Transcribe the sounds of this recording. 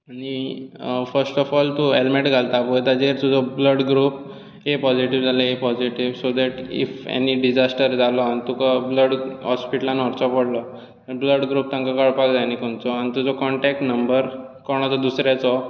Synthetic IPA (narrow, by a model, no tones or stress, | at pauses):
añi | fəɾsʈɔfɔlt̪uelmeʈɡʱalt̪aput̪ad͡ʑeɾt̪ud͡zɔbləɽɡɾuːp | ɦepɔd͡ʑiʈiʋd͡zaləɦepɔd͡ʑiʈiʋsod̪ɛʈḭfḛniɖid͡ʑasʈəɾd͡zalɔanit̪ukabləɽɦɔspiʈlãnɔɾt͡sɔpəɽlɔ | t̪əɾbləɽɡɾuːp̚t̪ãŋkakəɭpakd͡zanikoɳt͡sɔañit̪ud͡zɔkɔɳʈɛk̚ʈnəmbəɾkɔɾɳ̃at͡sɔd̪usɾjat͡sɔ